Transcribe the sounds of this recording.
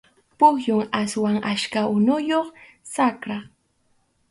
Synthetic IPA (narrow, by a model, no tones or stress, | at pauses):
pʊxjʊŋaswaŋaʃkaʊnʊjoχ | sakɾa